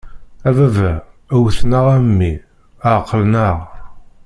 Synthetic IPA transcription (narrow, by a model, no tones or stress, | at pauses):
ævævæ | æwθnəʁæmːi | əʕqːəlnəʁ